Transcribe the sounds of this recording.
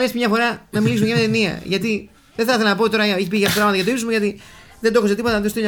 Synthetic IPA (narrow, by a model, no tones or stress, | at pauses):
esimɲɐfo̞ɾɐnɐmilis̬umeɐmɐt̪eniɐ̰ʝɐt̪i | ðeθɐθelɐnɐpot̪o̞ɾɐeçipiʝɐpopɾɐɣmɐt̪ɐʝɐt̪oisozmuʝɐt̪iðend̪oxoset̪ipo̞t̪ɐost̪iɲ